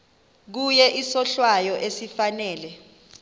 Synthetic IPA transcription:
k̬ujɛʔisɔɬwajɔʔesifanɛːlɛ

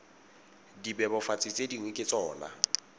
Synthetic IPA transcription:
dibɛbɔfat͡sʼɪt͡sʼediŋwekʼɪt͡sʼɔːna̰

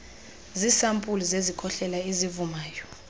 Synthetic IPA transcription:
zisampʼulizezikʰɔɬɛlaezivumaːjɔ

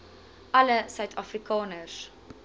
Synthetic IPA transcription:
ʔɐləsœɥtʰɐfrikʰɑːnəs

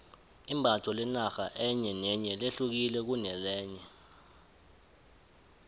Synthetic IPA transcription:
imbʱatʰɔlɛnaxa̰ʔɛɲɛnɛɲɛleɬuk̬ilɛk̬unɛlɛːɲɛ

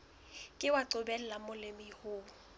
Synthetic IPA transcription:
kʼɪwaǀʊbɛl̩lamʊlɪmɪhʊː

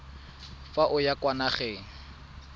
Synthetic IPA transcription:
faʔʊjakwanaχeːŋ̩

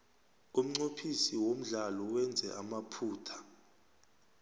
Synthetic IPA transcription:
um̩ŋ͡ǀopʰisiwom̩ɮalɔwɛnd͡zʱɛ̰ʔamapʰuːtʰḁ

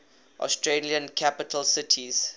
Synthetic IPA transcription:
ʔɔ̰stɹeliə̃nkʰapɪtʰəlsɪtʰiz̥

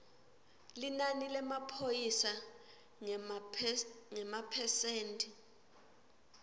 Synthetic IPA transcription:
linanilɛmapʰojisa | ŋɛmapʰɛseːntʼi

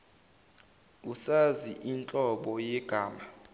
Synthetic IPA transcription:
usaziʔint͡ɬʼɔɓɔjɛɡ̥ʱaːma

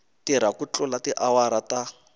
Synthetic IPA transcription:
tiɾakut͡ɬʼʊlatiʔawaɾata

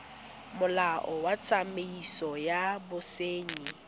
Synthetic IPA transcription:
mʊlaʔɔwat͡sʰʼameisɔjabʊseːɲi

